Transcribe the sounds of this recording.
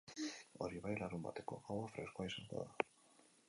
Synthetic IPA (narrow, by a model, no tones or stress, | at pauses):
oɾiβajlaɾumba̰t̪ekoawofɾeskwajsant̪a̰ða